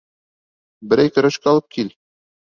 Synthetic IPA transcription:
bɘ̆ɾæjkɵ̆ɾæʃkæɒlˠɤp̚kʰil

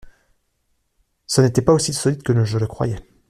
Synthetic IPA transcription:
sənet̪ɛpaosisɔlit̪kələʒələkχwa̰jɛ

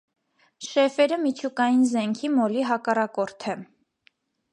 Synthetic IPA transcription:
ʃɛfɛɾəmit͡ʃʰukɑjinzɛŋkʰimɔliɦɑkɑrɑkɔɾt̪ʰɛ

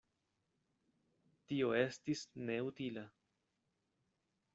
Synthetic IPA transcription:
tio̞e̞stisne̞utila

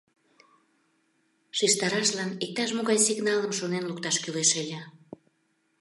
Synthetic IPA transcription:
ʃiʃt̪ɑɾɑʃlɑnik̚t̪ɑʃ̬moɣɑjsiɣnɑləmʃonenlukt̪ɑʃkyleʃelʲə

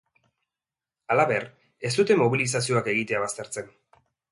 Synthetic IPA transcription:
alaβe̞ɾ | e̞st̪ut̪e̞mo̞βilis̬asio̞ake̞ɣ̞it̪e̞aβ̞ast̪e̞ɾt͡se̞n

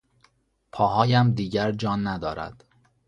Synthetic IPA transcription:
pʰɒːɦɒːjæmd̪iːɟæɾd͡ʒɒːnːæd̪ɒːɾæ̰d̪̥

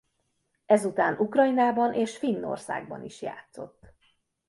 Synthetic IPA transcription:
ɛzut̪aːnʔukrɒjinaːbɒnʔeːʃfinːo̰rsa̰ːɡ̚bɒ̰niʃja̰ːt̪so̞̰t̪ː

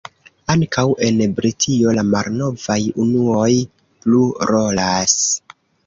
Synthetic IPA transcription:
aŋkawʔe̞nbɾitʰio̞lamaɾno̞vajunuo̞j | pluɾo̞las

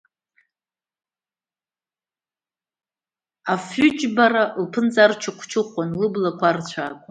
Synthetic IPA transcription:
afʏt͡ʃʼbaralpʰɨnt͡sʼart͡ʃʰɨqʷʰt͡ʃʰɨχʷanlɨblakʷʰart͡ɕʷʰaːkʷʼa

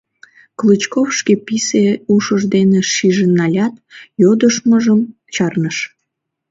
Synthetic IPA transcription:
klɨt͡ɕkofʃkepiseuʃəʒd̪eneʃiʒenɑlʲɑt̪jod̪əʃməʒəm | t͡ɕɑrnəʃ

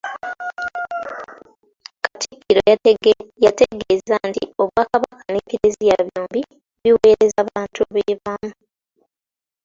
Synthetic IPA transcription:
katʰikʰːiɾo | jateɡezantḭo̞βwaːkaβakanekeɾezijaβjoːmbi | βiwe̞ːɾezaβaːntʰuaβeβamu

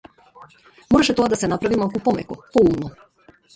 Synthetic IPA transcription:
moɾaʃet̪oɡad̪asenapɾaʋimalˠkupomḛkupouno

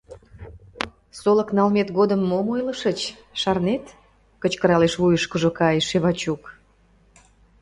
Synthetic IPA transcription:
soləknɑlmet̪ɣod̪əmːomojləʃət͡ɕ | ʃɑrnet̪ | kət͡ɕkəɾɑleʃβujəʃkəʒokɑjʃeβɑt͡ɕuk

